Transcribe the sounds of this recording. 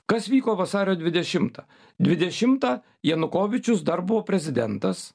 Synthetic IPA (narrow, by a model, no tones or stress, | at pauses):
kɐsʋʲiːkoːʋɐsɑːɾʲoːd̪ʲʋʲɪd̪ʲɛʃʲɪmt̪ɑː | d̪ʲʋʲɪd̪ʲɛʃʲɪmt̪ɑː | jɛnʊkoːʋʲɪt͡ʃʲʊsd̪ɐɾbʊʋoːpʲɾʲɛzʲɪd̪ʲɛnt̪ɐs